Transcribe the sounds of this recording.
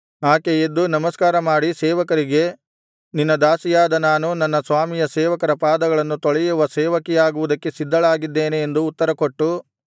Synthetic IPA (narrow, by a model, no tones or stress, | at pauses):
aːkeed̪ːunɐmɐskaːɾɐmaːɽisɛːʋɐkɐɾiɡe̞ | ninːɐd̪aːsijaːd̪ɐnaːnunɐnːɐsʋaːmijɐsɛːʋɐkɐɾɐpaːd̪ɐɡɐɭɐnːut̪ɔɭɛjuʋɐsɛːʋɐkɛjaːɡuʋud̪ɐkːe̞sid̪ʱːɐɭaːɡid̪ːeːneːnd̪uːt̪ːɐɾɐkoʈːu